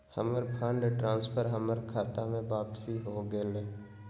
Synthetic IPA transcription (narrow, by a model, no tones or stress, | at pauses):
həməɾpʰãːɳɖeʈɾãːnspʰəɾɦəməɾkʰaːt̪amẽbaːpsiɦoɡəleː